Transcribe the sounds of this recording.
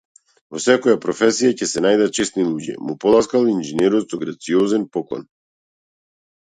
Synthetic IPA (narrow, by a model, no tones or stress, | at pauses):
vɔsɛkɔjapɾɔfɛsijacɛsɛnajd̪at̪̚t͡ʃɛst̪nilˠuɟɛ̰mupɔlˠaskalˠinʒɛnɛɾɔt̪sɔɡɾat̪siɔzɛnpɔklˠɔ̰n